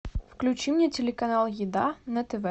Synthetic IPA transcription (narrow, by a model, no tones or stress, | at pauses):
fklʲʉt͡ɕimnʲɛtʲelʲɪkɐnalˠjɪd̪anɐt̪ɛvɛ